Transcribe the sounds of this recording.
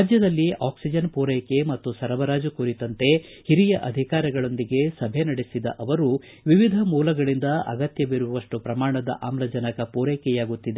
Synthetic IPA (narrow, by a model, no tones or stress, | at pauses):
aːd͡ʒjɐd̪ɐlːiaːksid͡ʒɐnpuːɾɛːkemɐt̪ːusɐɾɐʋɐɾaːd͡ʒukuɾit̪ɐnt̪e̞hiɾijɐʔɐd̪ʱikaːɾɐɡɐɭo̞nd̪iɡe̞sɐbʱenɐɽesid̪ɐ̰ʔɐʋɐɾu | ʋiʋid̪ʱɐmuːlɐɡɐɭind̪ɐʔɐ̰ɡɐt̪jɐʋiɾuʋuʋɐʂʈupɾɐmaːɳɐd̪ɐ̰ʔaːmlɐd͡ʒɐnɐkɐpuːɾeːkɛjaːɡut̪ːid̪e